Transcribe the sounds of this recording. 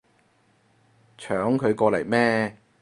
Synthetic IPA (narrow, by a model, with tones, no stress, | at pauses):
t͡ʃʰœː˨˥ŋkʰɵ˨˧ɥkɔː˧lɐ˨˩jmɛː˥